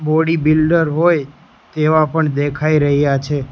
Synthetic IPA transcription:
boɽibilɖəɾɦoj | t̪eʋapəɳd̪ekʰaiɾəɦjat͡ʃʰe

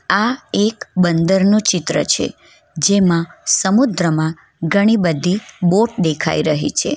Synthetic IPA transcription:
aekbənd̪əɾnũt͡ʃɪt̪ɾə̰t͡ʃʰḛ | d͡ʒemãsəmud̪ɾəmã | ɡʱəɽ̃ibəd̪ʱːiboʈ̚d̪ekʰa̰iɾəɦit͡ʃʰḛ

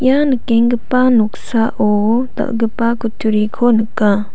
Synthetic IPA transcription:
janəkeŋɡəpanuk̚saʔot̪a̰ʔɡəpakutʰuɾikʰonəkã

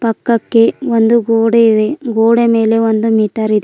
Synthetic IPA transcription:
pɐkːɐkːe̞ond̪uɡoːɽeid̪eɡoːɽeme̞ːle̞ond̪umiːʈɐɾid̪e

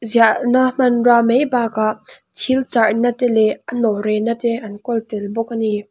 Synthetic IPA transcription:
ziaʔnam̥ɐnramejbaːkaʔ | t̪ʰilt͡sarnat̪ɛlɛanɔɾɛnat̪ɛʔankɔlt̪ɪlbɔk̚ani

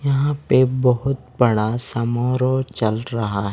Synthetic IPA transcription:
jɐɦãpebɐɦʊt̪̚bɐɽasɐmoːɾot͡ʃɐlɾɐɦaɦɛ

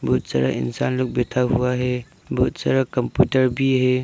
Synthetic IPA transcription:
bʱɔt̪̚sa̰ɾa̰ɪ̰nsanlʊk̚bet̪ʰaɦuaɦɛ | bʱɔt̪̚saɾakəmpjuʈəɾbʱiɦɛ

